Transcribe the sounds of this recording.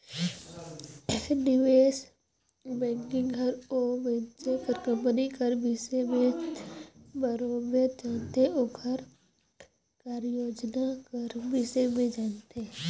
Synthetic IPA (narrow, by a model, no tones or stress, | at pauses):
nɪʋeːʃ | bɛ̃ːŋkɪ̃ŋɡɦɐɾoʋɛ̃t͡ʃekəɾkə̃mpnikəɾbɪsemẽ | bəɾobed͡ʒaːnt̪eeoɡʱəɾ | kaːɾjoːd͡ʒnakəɾbɪsemẽd͡ʒaːnt̪e